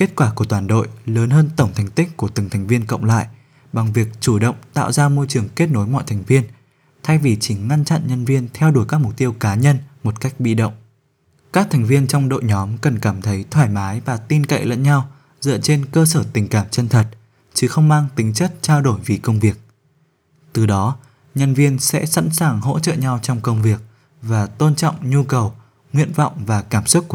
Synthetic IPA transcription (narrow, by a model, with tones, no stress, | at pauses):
ke˦˥t̚kwaː˧˩ku˧˩ət̪waː˨˩nɗo̰˧˨jləː˨˦nɦəː˧nt̪ə˧˩wŋ͡mt̪ʰɛ˨˩jŋ̟t̪ï˦˥k̟̚ku˧˩ət̪ɨ˨˩ŋt̪ʰɛ˨˩jŋ̟vi˧ənkə̰˧˨wŋ͡mla̰ː˧˨j | ɓa˨˩ŋvi˨˩ək̚t͡ɕu˧˩ɗə̰˧˨wŋ͡mt̪a̰ː˧˨wzaː˧mo˧jt͡ɕɨ˨˩əŋke˦˥t̚no˨˦jmɔ̰˧˨jt̪ʰɛ˨˩jŋ̟vi˧ən | t̪ʰa˧jvi˨˩t͡ɕi˧˩ŋa˧nt͡ɕa̰˧˨nɲə˧nvi˧ənt̪ʰɛ˧wɗu˧˩kaː˦˥k̚m˨˩k͡p̚t̪i˧əwkaː˨˦ɲə˧nmo˨˩t̚ka˦˥jk̟̚ɓḭ˧˨ɗə̰˧˨wŋ͡m | kaː˦˥k̚t̪ʰɛ˨˩jŋ̟vi˧ənt͡ɕɔ˧wŋ͡mɗo̰˧˨jɲɔ˨˦mkə˨˩nkaː˧˩mt̪ʰə˨˦jt̪ʰwaː˧˩jmaː˨˦jvaː˨˩t̪i˧nka̰˧˨ʔlə̰˧˥nɲa˧w | zɨ̰˧˨t͡ɕe˧nkəː˧səː˧˩t̪ï˨˩ŋ̟kaː˧˩mt͡ɕə˧nt̪ʰə˨˩t̚ | t͡ɕɨ˨˦xə˧wŋ͡mmaː˧ŋt̪ï˨˦ŋ̟t͡ɕə˦˥t̚t͡ɕaː˧wɗo˧˩jvi˨˩kə˧wŋ͡mvi˨˩ək̚ | t̪ɨ˨˩ɗɔ˨˦ | ɲə˧nvi˧ənsɛ̰˧˥sa̰˧˥nsaː˨˩ŋɦo̰˧˥t͡ɕə̰˧˨ɲa˧wt͡ɕɔ˧wŋ͡mkə˧wŋ͡mvi˨˩ək̚ | vaː˨˩t̪o˧nt͡ɕɔ̰˧˨wŋ͡mɲu˧kə˨˩w | ŋwḭ˧˨ənvɔ̰˧˨wŋ͡mvaː˨˩kaː˧˩msʊ˦˥t̚k